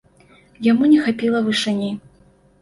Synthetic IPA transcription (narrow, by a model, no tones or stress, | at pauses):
jamunʲɛxapʲilˠɐvɨʂɨnʲi